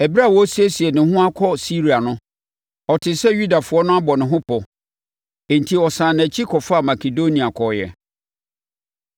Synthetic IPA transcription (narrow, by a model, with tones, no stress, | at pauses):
ɛ˨bi˦ɾa˦˨wɔ˦si˦e˦si˨ɛ˨nɪ̃˨˦ɦʊ̃˦a˦kʰɔ˦si˦ɾi˨a˨nʊ̃˦ | ɔ˨tʰɪ˨sɛ˦ju˦da˨fʊ˨˦ɔ˦nʊ̃˦a˦bɔ˨nɪ̃˨ɦʊ̃˦pʰɔ˨ | ẽ˨n̩˨tʰi˨ɔ˨sãː˨n˨æ˨t͡ɕʰi˦kʰɔ˨fa˦˨ma˨kʰe˨do˦nĩ˨a˨kʰɔ˨jɛ̰˨